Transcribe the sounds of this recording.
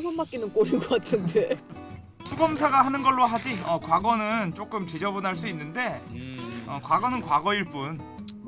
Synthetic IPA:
bʌmːak͈inɯnk͈oɾiɡʌk͈atʰɯnde | tʰuɡʌmsʰeɡaɦanɯnɡʌɭːoɦad͡ʑiʌkwaɡʌnɯnt͡ɕ͈ok͈ɯmt͡ɕid͡ʑʌbunɦaɭs͈uinːɯnde̞ | ʌkwaɡʌnɯnkwaɡʌiɭp͈un

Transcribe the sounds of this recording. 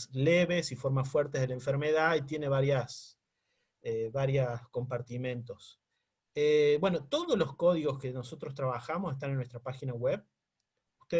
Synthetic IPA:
sleβesifo̞ɾmasfweɾt̪eðelaẽɱfeɾmeðait̪je̞neβaɾjas | eβaɾjasko̞mpaɾt̪imẽ̞nt̪os | ebwe̞no̞t̪oðoslo̞sko̞ðiɣo̞skeno̞so̞t̪ɾost̪ɾaβaxamosest̪anenːwest̪ɾapaxinaɣweβ | ust̪e

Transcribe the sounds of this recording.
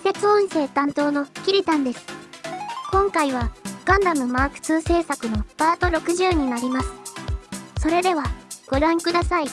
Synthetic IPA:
se̞t͡sɨõɰ̃se̞ːt̪ãnt̪o̞ːno̞ɸkʲiɾʲit̪ãnd̪e̞sɨ̥ | kõ̞ŋkaiβ̞aɡ̥ãnd̪amɯ̟maːkɯ̥t͡sɨːse̞ːsakɯ̟no̞b̥aːt̪o̞ɾo̞kɯ̟ʑɨːɲ̟inaɾʲimasɨ̥ | so̞ɾe̞d̪e̞βaɡ̥o̞ɾãŋkɯd̪asai

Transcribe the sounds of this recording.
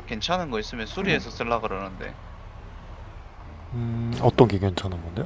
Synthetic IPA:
ke̞nt͡ɕʰanɯnɡʌis͈ɯmjʌnsʰuɾie̞sʰʌs͈ɯɭːaɡɯɾʌnɯnde̞̰ | ɯʌt͈ʌnɡeke̞nt͡ɕʰanɯnɡʌnde

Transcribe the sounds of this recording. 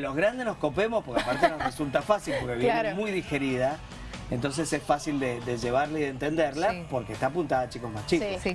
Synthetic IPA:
lo̞zɣɾand̪eno̞sko̞pemospoɾkeapaɾt̪enoresult̪afasilpo̞ɾkeβjenemujðixe̞ɾiða | ent̪o̞ns̬esesfasild̪ed̪eʒeβaɾlaiðe̞nt̪e̞nd̪eɾlapo̞ɾkehst̪apunt̪aðat͡ʃikozmast͡ʃikos

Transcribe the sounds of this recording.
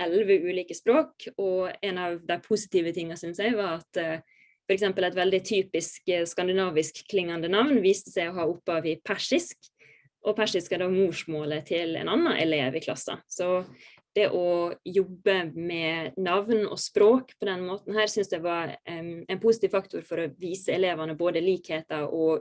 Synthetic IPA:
ʔɛlʋəʉːliːkəspɾoːkɔɛnɑʋd̪æɪpʰʊsɪt̪iːʋət̪ʰɪŋːɑsʏnsæɪʋɑɾɑt̪ | fɔɾɛksɛmpəlɛɪt̪ʋɛld̪ɪt̪ʰyːpɪskskɑnd̪ɪnɑːʋɪskʰːlɪŋːɑnd̪ənɑʋnʋiːst̪əsæɪɔɦɑːʊpːɑʋɪpʰæʂɪsk | ʔɔpʰæʂɪskæɾd̪oːmuːʂmoːlət̪ʰɪlɛ̰nɑnːɑʔɛ̰leːʋɪkʰlɑ̰sːə̰sɔ | d̪̥ɛʔɔjɔbːəmɛnɑʋnɔ̰spɾoːkpʰɔd̪ɛnmoːt̪n̩hæːɾsʏnsd̪ɛʋɑɾæɛɪnpʰʊsɪt̪iːʋfɑkt̪ʰʊɾfɔɾɔʋiːsəɛleːʋɑnəboːd̪əliːkheːt̪ɑɾɔ

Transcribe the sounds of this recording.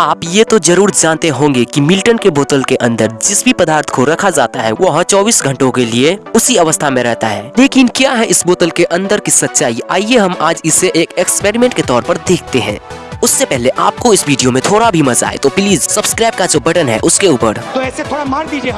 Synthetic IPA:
aːpjet̪od͡ʒɐɾuːɾd͡ʒaːnt̪eɦõːŋɡekimɪlʈənkeboːt̪əlkeʔɐ̃nd̪əɾd͡ʒɪsbʱipɐd̪aːɾt̪ʰkoɾɐkʰad͡ʒaːt̪aɦɛʋoɦt͡ʃɔːbiːsɡʱɐ̃ɳʈõkelieʊsiɐʋəst̪ʰamẽɾɛɦt̪aɦɛːleːkɪnkjaːɦɛʔɪsboːt̪əlkeʔɐ̃nd̪əɾkisɐt̪ːʃaːiaːieɦɐmaːd͡ʒɪseʔeːkɛkspeːɾimẽːɳʈket̪ɔːɾpɐɾd̪eːkʰt̪eɦɛ̰̃ː | ʊsːepɛɦleʔaːp̚koɪsʋiːɖijomẽt̪ʰoːɽabʱimɐza̰ːḛt̪opliːzsɐbskɾaːɪb̚kad͡ʒoːbɐʈənɦɛ̰ʔʊskeuːpəɾt̪oɛset̪ʰoːɽaaɾd̪iːd͡ʒe

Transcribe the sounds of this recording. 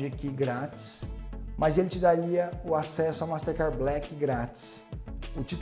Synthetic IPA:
d͡ʒɪkɪɡɾat͡ʃɪ̥smɐzelɪt͡ʃɪd̪aɾiɐʊasɛsʊamast̪eɾkaɾblɛkɪɡɾat͡ʃɪ̥sʊt͡ʃit̪

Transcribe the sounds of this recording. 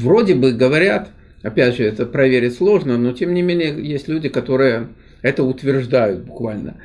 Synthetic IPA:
vro̞dʲɪbɨɡəvɐɾʲat̪ | ɐpʲædʲʐɨɛt̪əpɾɐvʲeɾʲɪtʲslˠo̞ʐnəno̞tʲemnʲɪmʲenʲɪjəjesʲtʲlʲudʲɪkɐt̪o̞ɾɨjə | ɛt̪əʊt̪vʲɪrʐd̪ajʊt̪̚bʊkvalʲnə̰

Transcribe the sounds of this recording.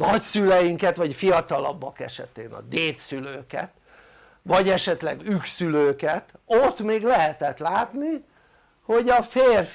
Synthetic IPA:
nɒcsylɛjiŋkɛt̪ʋɒcfijɒt̪ɒlɒ̰bːɒkɛ̰ʃɛt̪eːnɒ̰d̪eːt̪syløːkɛ̰t̪ | ʋɒɟɛʃɛt̪lɛ̰ɡyksyløːkɛt̪ot̪meːɡlɛɦɛt̪ɛt̪laːt̪ni | ho̞ɟɒfeːr

